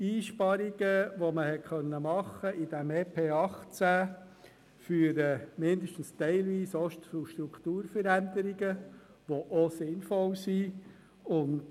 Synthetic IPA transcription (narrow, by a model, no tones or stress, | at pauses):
iːʃpɑɾiɡəʋoməhɛtχœnːəmɑχːəʔid̥æmeːpʰeːɑχt͡sæː | fyːəɾəmɪndəʃtn̩st̪ɛɪlʋiːsɔʃtfuʃt̪ɾukʰt̪uːɾfəɾænd̥əɾiɡə | ʋoʔɔsɪnfɔlsi | ʊnd